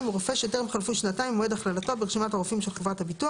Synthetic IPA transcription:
mʁofe̞ʃjotemealfuʃnataimoedaχlalato̞beeʃimataʁofimʃelχevʁathabitua

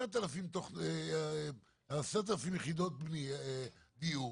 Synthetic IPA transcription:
at̪alafimt̪oχe | asat̪alafimjeχid̪ot̪̚bni | d̪iu

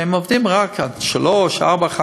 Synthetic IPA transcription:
ɛmovdimʁakʰadʃaloʃa̰ʁbaχa

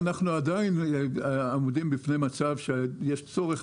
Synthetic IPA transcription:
naχnuad̪ain | amudimbifne̞jmat͡savʃejeʃt͡so̞ʁeχ

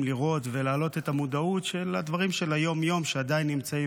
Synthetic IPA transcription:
liʁo̞t̪ve̞laːlo̞t̪et̪amudautʃelad̪vaʁimʃelajo̞mjo̞mʃead̪ainːimt͡sai

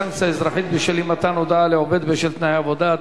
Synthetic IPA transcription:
ansaɪzɾˤɑħit̪̚beʃelimat̪anod̪aaleʕobed̪beʃelt̪najavod̪a

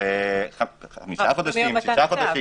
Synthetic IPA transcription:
eaamiʃaχod̪aʃimʃiaχoaʃi

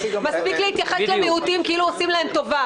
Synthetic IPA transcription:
maspikleit̪jaχeslemeut̪imkiiluosimlae̞mt̪o̞va

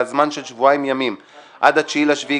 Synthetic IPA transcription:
azmanʃelʃvuajmjamim | ʔa̰d̪hat͡ʃilaʃvi

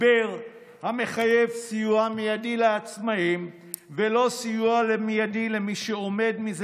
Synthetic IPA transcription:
beʁ | hame̞χaje̞vsijuamijadileat͡smaim | velo̞sijualemijadilemiʃeo̞me̞dmiz

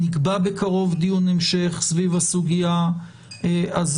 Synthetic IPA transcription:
nikbabe̞kʰaʁo̞vd̪ijunemʃeχsvivasuɡija | az

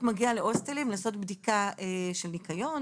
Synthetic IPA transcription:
maɡialeʔo̞stelimlaːso̞tbdikaeʃelnikajo̞n

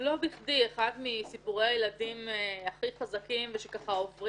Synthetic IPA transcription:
lo̞biχdieχadmisipuʁejajeladimeaχiχazakimveʃekaχaofʁi

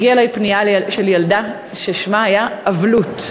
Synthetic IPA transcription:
iaelajpniaʃeljalda | ʃeʃmaajaːvlut

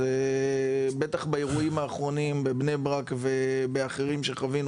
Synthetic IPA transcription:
e | bet̪aχbaeʁuimaːχʁo̞nimbe̞bnebʁakvebeaχeʁimʃeχavinu

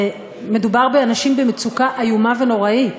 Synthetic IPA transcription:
me̞dubaʁbeanaʃimbemet͡sukaʔajumave̞no̞ʁait

